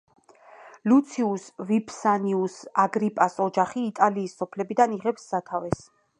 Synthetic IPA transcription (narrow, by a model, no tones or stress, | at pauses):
lut̪sʰiusvipʰsaniusaɡɾipʼasɔd͡ʒaχiːt̪ʼaliːsːɔpʰlɛbid̪aniʁɛpsːat̪ʰavɛs